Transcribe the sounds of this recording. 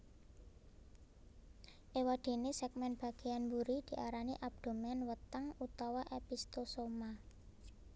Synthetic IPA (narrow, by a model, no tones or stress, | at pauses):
ʔewaɖ̪̥e̤nesɛɡ̚mɛnb̥ä̤ɡ̥e̤anbuɾid̪̥i̤ʔaɾaniʔab̥̚d̪̥o̤mɛnwət̪aŋut̪awaʔepist̪osoma